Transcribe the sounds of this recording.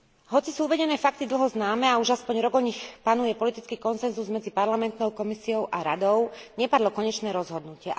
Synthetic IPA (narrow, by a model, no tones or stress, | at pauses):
ɦɔt͡sisuːuʋɛɟɛnɛːfak̚t̪id̪l̩ɦɔznaːmɛauʒaspɔɲɾɔɡɔɲixpanujɛpɔlit̪it͡skiːkɔnsɛnzuzmɛd͡zipaɾlamɛnt̪nɔʊkɔmisiɔʊʔaɾad̪ɔʊɲɛpad̪lɔkɔɲɛt͡ʃnɛːɾɔzɦɔd̪nucɪɛ